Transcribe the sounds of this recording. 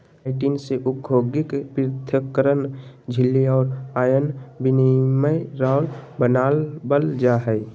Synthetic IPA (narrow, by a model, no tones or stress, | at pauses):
aɪʈiːnseʔʊkʰoːɡɪkpɪɾt̪ʰəkəɾənd͡ʒʱɪlːiɔːɾaːjənbiniməjɾaːlbənaːlbəld͡ʒaɦɛj